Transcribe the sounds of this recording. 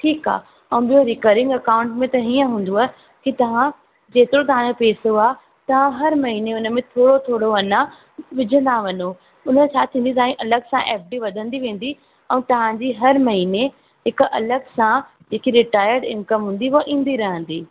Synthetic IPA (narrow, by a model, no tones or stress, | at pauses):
ʈʰiːka̰ː | ɛ̃ːɓijoɾikəɾɪ̃ŋɡɐkaːʊ̃ɳʈmẽt̪ɐɦiːə̃ɦũːn̆d̪oaː | kit̪ɐʋ̤ã | d͡ʑeːt̪ɪɾot̪̬ɐʋ̤ãd͡ʑopeːsoaːɦ | t̪ɐʋ̤ãɦɐɾmɐɦineʊnə̆mẽt̪ʰoːɽot̪ʰoːɽoɐnã | ʋɪd͡ʑʱə̃nd̪aʋɐno | ʊnəẽt͡ɕʰaːt̪ʰĩːnd̪it̪ɐãiʔɐləɡsãʔɛːp̚ɖiʋɐd̪ʱə̃nd̪iʋẽːn̆d̪i | ɛ̃ːt̪ɐʋ̤ãd͡ʑiɦɐɾmɐɦine | ɦɪkʔɐləɡsã | d͡ʑeːkiɾɪʈaːjəɾɖɪ̃nkəmɦũːn̆d̪iuaʔĩːn̆d̪iɾɐɦə̃nd̪iː